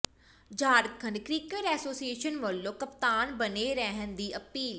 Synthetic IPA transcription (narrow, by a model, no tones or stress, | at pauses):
d͡ʒʱaːɾət̪̚kʰənɖkɾiːkəɾɛːsoːsieːʃənʋəlːõːkəpt̪aːnbəneːɾɛɦənd̪iːʔəpiːl